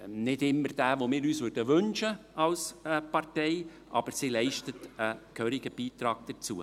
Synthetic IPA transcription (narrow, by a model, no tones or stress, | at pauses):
nɪdɪmːəɾd̥æːʋomɪːɾyːsvʋʏɾdəʋɵnʃəɑlsəpɑɾtɛɪ | ʔɑ̰b̥əɾsilɛɪʃtətəkʰøɾɪɡ̥əb̥iːtɾɑːɡ̥̚d̥ət͡suːə